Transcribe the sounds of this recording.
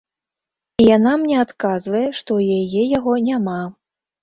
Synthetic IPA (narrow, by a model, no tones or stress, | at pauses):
ijanamnʲɛat̪kazvɐjɛʂt̪ɔwjajɛjaɣɔnʲama